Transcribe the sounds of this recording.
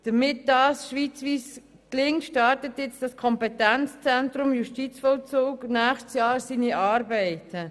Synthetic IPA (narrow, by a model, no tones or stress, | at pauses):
d̥əmɪt̚d̥ɑːsʃʋiːt͡sʋiːs | klɪŋtʃtɑːɾtətjɪt͡sd̥ɑskʰɔmpɛtɛnt͡st͡sɛntɾʊmjuʃtit͡sfɔlt͡soːknæːxstsjɑːɾsiːniʔɑːɾbɛɪtʰə